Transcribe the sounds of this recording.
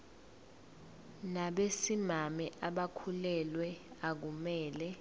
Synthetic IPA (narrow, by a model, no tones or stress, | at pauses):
naɓesimamɛʔaɓakʰulɛlwɛak̬umɛːlɛ